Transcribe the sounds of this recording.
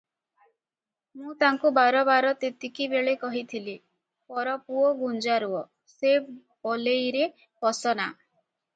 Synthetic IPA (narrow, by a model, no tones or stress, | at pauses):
mũt̪aŋkubaɾɔbaɾɔt̪et̪ikibeɭekɔɦit̪ʰili | pɔɾɔpuɔɡund͡ʒaɾuɔ | se | bɔlejɾe | pɔsɔna